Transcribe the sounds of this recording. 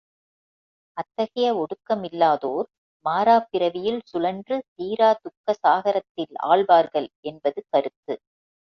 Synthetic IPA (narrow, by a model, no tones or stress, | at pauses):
ʔɐt̪ːɐɣɐjɐɔɽɯkːɐmɪlːaːðoːɾ | maːɾaːpɪɾɐʋɪjɪlsʊlɐndrɯt̪iːɾaːt̪ʊkːɐsaːɣɐɾɐt̪ːɪla̰ːɭʋaːɾɣɐɭɛnbɐðɯkɐɾɯt̪ːɯ